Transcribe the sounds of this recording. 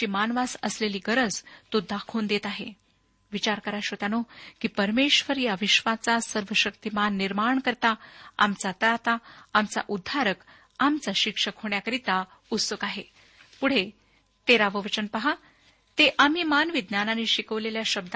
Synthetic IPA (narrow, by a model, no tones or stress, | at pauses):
t͡ɕiːmanʋasə̰sleliːɡəɾəd͡zt̪od̪akʰuːnd̪et̪aɦḛ | ʋit͡ɕaɾkəɾaɕot̪anokiːpəɾmeɕʋəɾjaʋiɕʋat͡sasəɾʋəɕəkt̪imanːiɾmaɳkəɾt̪aamt͡sat̪əɾat̪aamt͡sa̰ʔud̪ʱːaɾək | amt͡saɕikʂəkɦoɳjakəɾit̪a | ut̪səkaɦe | puɽ̤e | t̪eɾaʋəʋət͡ɕənpəɦa | t̪eʔam̤iːmanʋid̪nananiɕikəʋleljaɕəb̚d̪